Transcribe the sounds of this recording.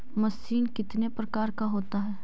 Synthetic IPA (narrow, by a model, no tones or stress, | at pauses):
mɐsiːnkɪt̪nepɾɐkaːɾkaɦoːt̪aɦɛː